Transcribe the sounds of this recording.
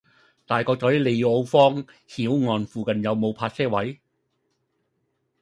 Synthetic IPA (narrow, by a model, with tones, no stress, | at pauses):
t̪aː˨jkɔː˧kt͡sɔː˨˥jle˨˧jo˧wfɔː˥ŋhiː˨˥wŋɔː˧nfuː˨˧kɐ˨njɐ˨˧wmo˨˧wpʰaː˧t̚sɛː˥wɐ˨˥j